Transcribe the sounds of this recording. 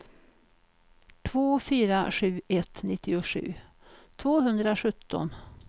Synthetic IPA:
t̪ʰvoːfyːɾaɧʉ̟ːʔɛt̪nɪt̪ʰːɪʊʂʉ̟̰ː | t̪ʰvoːɦɵnd̪ɾaɧɵt̪ʰːɔ̰n

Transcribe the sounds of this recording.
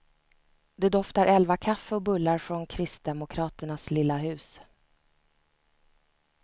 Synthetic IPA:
d̪ɛd̪ɔft̪aɾʔɛlvakʰafːəɔbɵlːaɾfɾɔnkʰɾɪst̪̚d̪ɛmʊkʰɾɑːt̪əɳaslɪlːaɦʉ̟ːs

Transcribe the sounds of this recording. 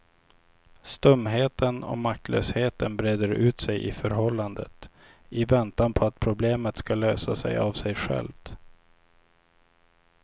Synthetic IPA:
st̪ɵmːɦeːt̪ənɔ̰mak̚t̪ʰlʔø̰ːsheːt̪ənbɾeːd̪əɾʉ̟ːt̪sɛjʔɪ̰fœɾɦɔlːand̪ə̰t̪ | ɪvɛnt̪anpʰɔat̪̚pʰɾʊbleːmət̪skaløːsasɛ̰javsɛjɧɛ̰lvt̪

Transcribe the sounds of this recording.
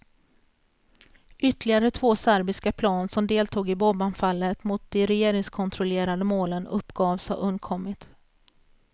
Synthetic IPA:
ʏt̪lɪɡaɾət̪ʰvoːsæɾbɪskapʰlɑːnsɔmd̪eːlt̪ʰuːɡɪbɔbanfalːət̪mʊt̪̚d̪ɛɾɛjeːɾɪŋskʰɔnt̪ʰɾɔleːɾad̪əmoːlənɵpːɡ̥ɑːvsɑ̰ʔɵnd̪kʰɔmːɪt̪

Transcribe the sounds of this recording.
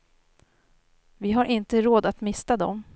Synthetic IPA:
vɪɦaɾʔɪnt̪əɾoːd̪at̪mɪst̪ad̪ɔ̰m

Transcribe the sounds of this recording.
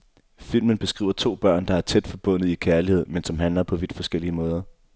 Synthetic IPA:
fil̰mənb̥e̝sɡ̥ʁḭːʊɐt͡sʰo̝̰ːb̥ɶɐ̰nd̥ɑ̈æɐt͡sʰed̥fɒ̽b̥ɔ̽n̰ð̩ˠikʰæɐlihe̝ð̞̰ˠmensɒ̽mɦænlɐpʰɒ̽ʋid̥fɒ̽sɡ̥el̰iəmɔ̽ːð̞ˠɐ

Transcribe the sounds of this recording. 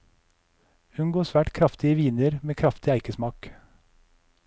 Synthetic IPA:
ʉŋɡoːsʋæːʈkʰɾɑft̪ɪəʋiːnəɾmeːkʰɾɑft̪ɪæɪkəsmɑːk

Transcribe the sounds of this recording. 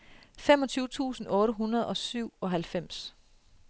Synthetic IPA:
fem̰ɒ̽t͡sʰyːʊət͡sʰṵːsn̩ɔ̽ːɾəɦunɐð̞̩ˠɒ̽syʊ̰ɒ̽ɦælfem̰s

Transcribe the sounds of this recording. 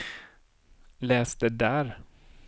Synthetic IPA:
lɛːsd̪əd̪æɾ

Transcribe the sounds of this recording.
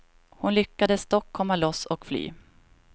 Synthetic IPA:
hʊnlʏkːad̪əst̪ɔkʰːɔmːalɔsɔkfly̰ː

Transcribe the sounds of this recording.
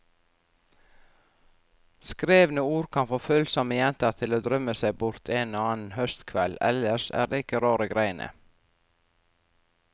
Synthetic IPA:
skɾeːʋnəuːɾkʰɑnfoːfʉlsɔməjɛnt̪əɾt̪ʰɪloːd̪ɾœməsæɪbʊɾt̪ʰeːnoːɑːnn̩hœst̪kʰʋɛlɛ̰ləʃæ̰ːɾd̪eːɪkəɾɑːɾəɡɾæɪənʔə̰

